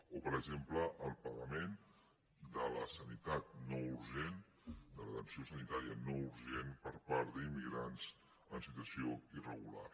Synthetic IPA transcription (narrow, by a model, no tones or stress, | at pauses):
opəɾəɡʒempləʔːlˠpəɣəmen | d̪ələsənit̪at̪̚nɔuɾʒen | d̪ələt̪ənsiosənit̪aɾiənɔuɾʒenpəɾpaɾt̪d̪imːiɣɾanz | ənsit̪uəsioirəɣula̰r